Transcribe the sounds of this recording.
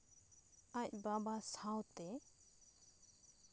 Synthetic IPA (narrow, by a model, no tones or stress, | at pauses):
ac̚babasãwt̪ɛ